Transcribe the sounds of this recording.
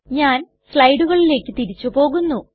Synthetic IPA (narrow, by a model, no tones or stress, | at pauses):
ɲaːn | sɭɐjɖuɣɐɭile̞ːkʲːɨt̪iɾit͡ɕːupo̞ːɣunːu